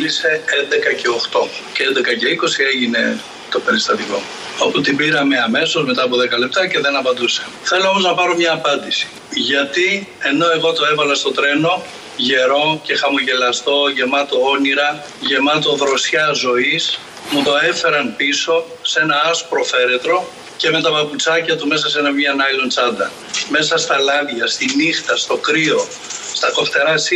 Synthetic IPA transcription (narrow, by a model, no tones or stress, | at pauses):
lise̞end̪e̞kɐce̞o̞xt̪o̞ceend̪ekɐce̞iko̞sie̞ʝine̞ | t̪o̞pe̞ɾist̪ɐt̪iko̞ | o̞put̪ibiɾɐme̞ɐme̞so̞zme̞t̪ɐːp̬o̞ðekɐle̞p̚t̪ɐce̞ðe̞nɐpɐnd̪use̥ | θe̞lo̞omo̞znɐpɐɾo̞mɲɐːpɐnd̪isi̥ | ʝɐt̪ie̞no̞e̞ɣo̞t̪o̞e̞vɐlɐst̪o̞t̪ɾe̞no̞ | ʝe̞ɾo̞ce̞xɐmoʝe̞lɐst̪o̞ʝe̞mɐt̪o̞oniɾɐ | ʝe̞mɐt̪o̞ðɾo̞sçɐzo̞is | mut̪o̞e̞fe̞ɾɐnpiso̞ | se̞nɐɐspɾo̞fe̞ɾe̞t̪ɾo̞ | ce̞me̞t̪ɐpɐput͡sɐcɐt̪ume̞sɐse̞nɐmiɐnɐlo̞nt͡sɐnd̪ɐ̰ | me̞sɐst̪ɐlɐðʝɐst̪inixt̪ɐst̪o̞kɾio̞ | st̪ɐko̞ft̪e̞ɾɐs